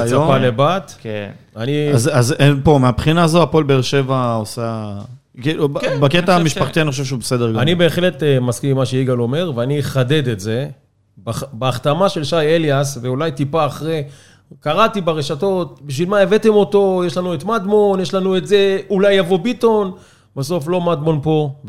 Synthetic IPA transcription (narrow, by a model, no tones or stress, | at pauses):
ajsapalebat̪kenaniazazenpo̞meapχinaːzoapo̞lbeːʁʃe̞vaosa | kilukbaket̪aamiʃpaχt̪ianioʃevʃ̬ubesed̪eʁɡaanibe̞ːχle̞t̪maskimaʃeiɡalo̞me̞ʁveaniχade̞d̪etze̞ | babeaχt̪amaʃe̞lʃajeljasveulajt̪ipaːχʁe | kaʁatibeʁeʃato̞t̚biʃvilmaeve̞te̞mo̞to̞jeʃlanuet̪mad̪mo̞njeʃlanuetze̞ulajːavo̞bito̞n | baso̞flo̞mad̪mo̞npo̞